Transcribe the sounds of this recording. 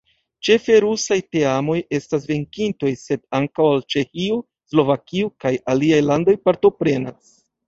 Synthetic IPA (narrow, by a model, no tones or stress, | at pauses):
t͡ʃe̞fe̞ɾusajte̞amo̞je̞stas̬ve̞ŋkinto̞jse̞daŋkawalt͡ʃe̞xiu | slo̞vakiukajaliajlando̞jpaɾto̞pɾe̞nas